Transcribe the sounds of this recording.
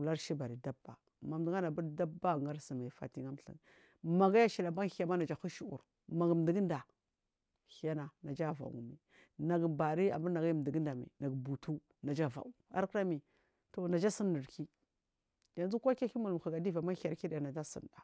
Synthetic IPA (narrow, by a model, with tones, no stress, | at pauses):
u˨la˦ɾʃi˦ba˨ɾi˨da˦ba̰˨ | ma˨m˨di˨ŋa˦na˨bu˦ɾda˦bːa˦˨ŋɡa˦ɾsi˨ma˨fa̰˨ti˦ŋa˦m˨ɬḭ˦˨ | ma˨ɡa˦ja˦ʃi˨la˨ba˦xi˦a˦ma˦na˨d͡ʒa˨xu˦ʃu˦ṵ˨ɾ | ma˨ɡm˨di˨ɡi˦nda˨ | xi˨ja˦na˨na˨d͡ʒa˦va̰˨ṵ˨ŋ˨mḭ˨ | na˨ɡba˨ɾi˦a̰˨bu˦ɾna˨ɡa˦˨m˨di˨ɡi˦nda˨mḭ˨na˨ɡbu˨tu˦ | na˨d͡ʒa˦va̰˨u˨a̰˦ɾkɾa˦mi˨ | to˨na˨d͡ʒa˦sə˦nːə˨ɾki˦ | ja˨n˦u˦kʷa˦ka˦ki˦mu˨lxa˨ɡa˨di˦va˨ma˦a˨ɾki˦da˨ja˨na˨d͡ʒa˦sə̰˨nda˨